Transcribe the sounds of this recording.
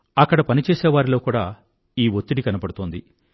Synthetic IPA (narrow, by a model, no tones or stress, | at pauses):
ɐkːɐɽɐpɐnit͡ʃɛːseːʋaːɾilo̞ːkuːɽaː | iːʋot̪ːiɽikɐnɐpɐɽut̪oːnd̪i